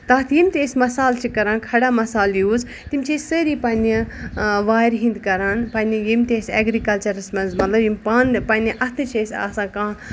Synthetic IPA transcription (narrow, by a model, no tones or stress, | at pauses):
t̪aːt̪ʰjimt̪ʲeːsmɐsaːlt͡ʃʰikɐɾãːnkʰɐɽaːmɐsaːljuːz | t̪imt͡ʃʰessəɾipaːniʋaːjɾɦĩnd̪kɐɾaːnpɐnijimt̪eseːɡɾikɐlt͡ʃɐɾɨsmɐnzmɐt̪lɐbjimpaːnpɐːniʔɐt̪ʰɨt͡ʃʰesa̰ːsãːkãː